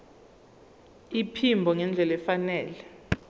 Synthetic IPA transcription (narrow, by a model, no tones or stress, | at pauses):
ipʰimbʱɔŋɛnd͡ɮʱɛlɛfanɛːlɛ